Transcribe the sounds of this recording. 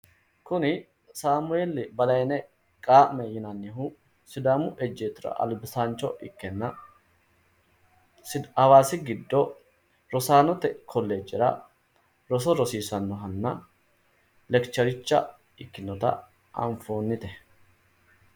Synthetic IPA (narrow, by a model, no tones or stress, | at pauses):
kʊnɪ | saːmʊɛlːɪbɐlɐjnɛ | kʼaːmɛjɪnɐnːɪhʊ | sɪd̪aːmʊʔɛd͡ʒːeːt̪ːʊɾɐ̰ʔɐ̰lbɪsaːnt͡ʃːɔʔɪkːɛnːɐ | ɐwaːsɪɡɪd̪ːɔ | ɾɔsaːnɔt̪ːɛkʰɔlːeːd͡ʒːɪɾɐ̰ | ɾɔsɔɾɔsiːsɐnːɔɦɐnːɐ | lɛkt͡ʃɐɾɪt͡ʃːɐ̰ | ɪkːɪnːɔt̪ɐ̰ | ʔɐ̰ɱfoːnːɪt̪ɛ